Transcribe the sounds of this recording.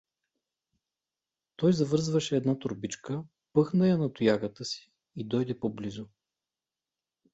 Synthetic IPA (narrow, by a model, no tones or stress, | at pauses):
t̪ɔjzɐvɤɾzvɐʃɛːd̪nat̪ʊɾbit͡ʃkə | pɤxnɐjɐnɐt̪ʊjaɡət̪əsi̥ː | d̪ɔjd̪ɛpoblizʊ